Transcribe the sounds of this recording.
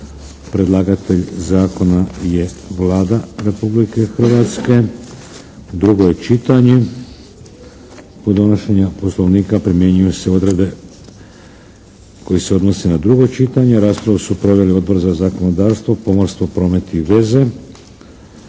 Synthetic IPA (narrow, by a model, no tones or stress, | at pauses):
pɾe̞d̪lˠaːɡat̪e̞ʎzaːko̞naje̞ʋlaːd̪aɾe̞publike̞xr̩ʋaːt̪ske̞ | d̪ɾuɡo̞je̞t͡ʃit̪aɲe̞ | pod̪o̞noʃe̞ɲapo̞slˠo̞ʋniːkapɾimje̞ɲujuse̞o̞d̪ɾe̞d̪e̞ | ko̞jiseo̞d̪nosenad̪ɾuɡo̞t͡ʃit̪aɲe̞ɾaːspɾaʋusupɾo̞ʋjelio̞d̪̚bo̞ɾzazako̞no̞d̪aːɾst̪ʋo̞po̞moɾst̪ʋo̞pɾo̞ːme̞t̪iiʋe̞ze̞